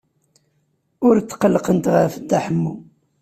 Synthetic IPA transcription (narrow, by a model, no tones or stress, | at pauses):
ʊɾt͡sːqəlːqənt̪ʁəfd̪ːaħəmːu